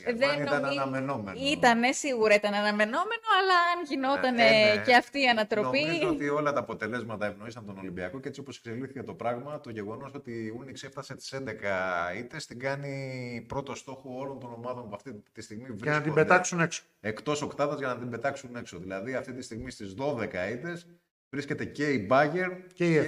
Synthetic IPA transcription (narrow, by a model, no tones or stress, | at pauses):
ðenit̪ɐnnɐnɐme̞no̞menit̪ɐne̞siɣuɾɐit̪ɐnɐnɐme̞no̞me̞no̞ɐlɐɐnʝino̞t̪ɐnece̞ɐft̪iːɐnɐt̪ɾo̞piot̪io̞lɐt̪ɐːpo̞t̪e̞le̞zmɐt̪ɐevno̞isɐnt̪o̞no̞limbiɐkoceet͡sio̞po̞sekse̞liθicet̪o̞pɾɐɣmɐt̪o̞ʝe̞ɣo̞no̞so̞t̪iunikseft̪ɐse̞st̪i̥send̪ekɐit̪e̞st̪iɡɐnipɾo̞t̪o̞st̪o̞xoo̞lo̞nt̪o̞no̞mɐðo̞mpuɐft̪it̪ist̪iɣmivɾiɐsnɐt̪ibet̪ɐksunekso̥ | e̞kt̪o̞so̞kt̪ɐðɐzʝɐnɐt̪imbe̞t̪ɐksune̞kso̞ðilɐðiɐft̪it̪ist̪iɣmist̪izðo̞ðe̞kɐit̪e̞z | vɾisce̞t̪e̞ce̞ibɐʝe̞ɾe